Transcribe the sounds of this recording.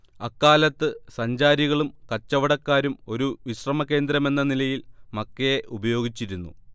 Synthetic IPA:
ɐkːaːlɐt̪ːɨsɐɲd͡ʑaːɾiɣɐɭumkɐt͡ɕːɐʋɐɽɐkːaːɾumo̞ɾuʋiɕrɐmɐkːe̞ːnd̪ɾɐme̞nːɐnilɐjilmɐkːɐjeʔubɐjo̞ːɡit͡ɕːiɾunːṵ

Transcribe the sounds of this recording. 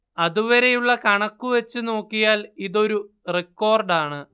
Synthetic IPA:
ɐðuʋɐɾe̞juɭːɐkɐɳɐkːuʋet͡ɕːɨno̞ːkːijaːliðo̞ɾu | rekːo̞ːrɖaːɳɨ

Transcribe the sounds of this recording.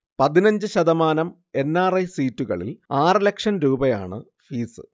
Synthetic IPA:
pɐðinɐɲd͡ʑɨɕɐðɐmaːnɐm | e̞nːaːrɐjsiːtːuɣɐ̰ɭḭlaːrɨlekʂɐnɾuːbɐja̰ːɳɨ̰ | fiːsɨ̰

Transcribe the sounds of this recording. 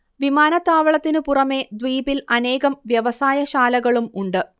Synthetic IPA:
ʋimaːnɐt̪ːaːʋɐɭɐt̪ːinɨpurɐme̞d̪ʋiːbilɐne̞ːɣɐmʋjɐʋɐsaːjɐɕaːlɐɣɐɭumuɳɖɨ

